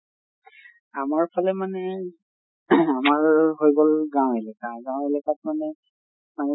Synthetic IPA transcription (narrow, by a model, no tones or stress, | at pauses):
amaɹpʰalɛmanɛ | amaɹɦojɡolɡãw̃elɛkaɡãw̃elɛkat̚manɛ | manɛ